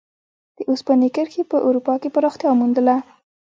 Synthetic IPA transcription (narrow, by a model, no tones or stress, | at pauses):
d̪̥əʔuspanikəɾkepəʔaɾupɑkepaɾɑxt̪jɑmund̪əla